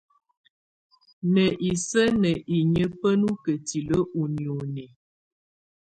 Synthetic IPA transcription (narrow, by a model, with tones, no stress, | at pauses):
nə˨ʔi˨sə˦nə˨ʔi˨ɲə˦pə˦nu˦kə˨ti˨lə˦ʔu˨ni˨o˨ni˨